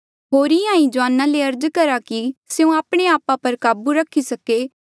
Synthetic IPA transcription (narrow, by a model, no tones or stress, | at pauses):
ɦoːɾiãːĩd͡ʒoaːnãleɐɾd͡ʒkɐɾakiseũaːpɽ̃eaːpãpɐɾkaːbuɾɐkʰisɐkeː